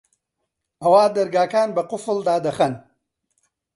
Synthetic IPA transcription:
ɐwaːd̪ɐɾɡaːkaːnbɐqʊfɨld̪aːd̪ɐxɐn

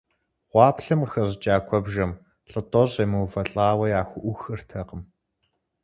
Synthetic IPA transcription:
ʁʷɑːpɬɐmxɐʑt͡ʃʼaːkʷʰɔbʒɐm | ɬʼɨtʼɔʑemɨwfɐɬʼaːwɐjaːxʷʊʔʷʊxɨrtʰɐqəm

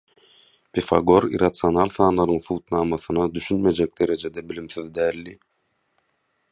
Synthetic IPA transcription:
pʰifɑ̰ɡo̞ɾḭɾɑt̪sionɑlˠθɑːnlˠɑɾɯŋθuːt̪nɑːmɑθɯnɑd̪yʃynme̞d͡ʒek̚d̪e̞ɾe̞d͡ʒe̞d̪ebilimθyðd̪æːlːi

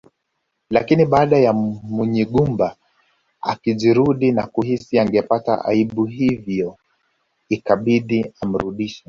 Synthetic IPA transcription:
lakiniɓaːɗajamuɲiɠumba | a̰kiʄiɾuɗinakuhisiaŋɡɛpata̰ʔa̰iɓuɦivjɔ | ikaɓiɗiam̩ɾuɗiʃɛ

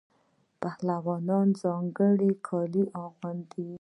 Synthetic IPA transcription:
pahlawɑnɑnzɑŋɡəɽikʰɑliʔɑɣwand̪i

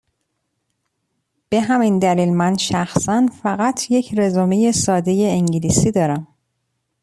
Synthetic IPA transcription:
b̥e̞ɦæmind̪æliːlmænʃæxsænfæɣæt̪ʰje̞cʰɾezomeje̞sɒːd̪e̞je̞eŋɟilisiːd̪ɒːɾæm

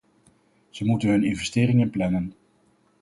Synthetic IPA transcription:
z̥əmutənɦɵnɪnvɛstɪːrɪŋənplɛnən

